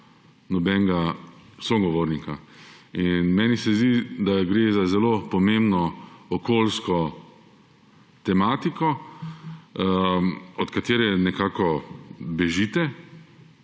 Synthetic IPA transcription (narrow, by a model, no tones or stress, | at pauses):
nɔbɛŋɡasɔɡɔʋoːɾnikainmɛnisɛzd̪id̪aɡɾeːzazɛlopɔmẽmbnɔɔkolskɔ | t̪ɛmaːt̪ikɔ | ɔt̪kat̪eːɾɛnɛkaːkɔbɛʒiːt̪ɛ